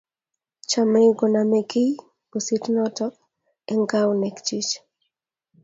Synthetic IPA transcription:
t͡ʃa˨mɾɪɡɔ˨na˨mɛ˨ki˦j | b̥o˨si˦tnɔtɔk | ɛŋɡa˦wnɛ˨kt͡ʃit͡ʃ

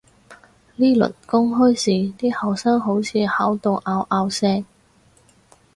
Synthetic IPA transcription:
liː˥lɵ̰˨˩nkʊ˥ŋɦɵ˥jsiː˨˩t̪iː˥hɐ˨wsaː˥ŋɦo˨˥wt͡sʰiː˨˧haː˨˥wt̪o˨˧wʔaː˧wʔaː˧wsɛː˥

